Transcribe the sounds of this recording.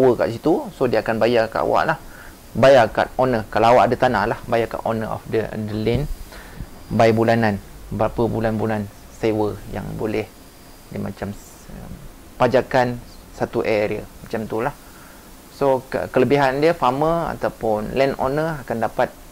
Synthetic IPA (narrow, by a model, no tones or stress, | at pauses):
awəka̰ʔsit̪usodiəakanbajaka̰ʔa̰wa̰ʔlah | bajaka̰t̪onəkalaawaʔadət̪anahlahbajaka̰ʔonəʔɔ̰fdədəlɪn | bajbulananbəɾapəbulanbulan | sewəja̰ŋbolɛh | dima̰t͡ʃam | əm | pad͡ʒakansat̪uʔeɾiə̰mat͡ʃamt̪ulah | sokəkələbiɦandiəfaməa̰t̪awpʊnlɛno̰nəakandapat̪̚